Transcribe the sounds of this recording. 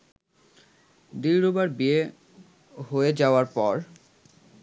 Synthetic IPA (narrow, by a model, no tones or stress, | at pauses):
d̪iɾobaɾbie | ɦoed͡ʑaoaɾpɔɾ